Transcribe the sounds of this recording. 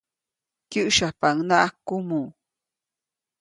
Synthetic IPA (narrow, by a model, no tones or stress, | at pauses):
kiʔʃapaŋnaʔakumu